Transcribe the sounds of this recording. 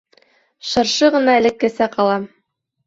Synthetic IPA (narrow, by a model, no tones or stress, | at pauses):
ʃɤ̆ɾʃɤʁɤ̆nɑɘ̆lɘ̆kːæsæqɑlˠɑm